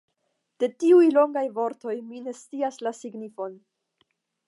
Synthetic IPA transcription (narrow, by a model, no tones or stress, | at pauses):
d̥e̞tiujlo̞ŋɡajvo̞ɾto̞jmine̞st͡siaslasiɡnifo̞n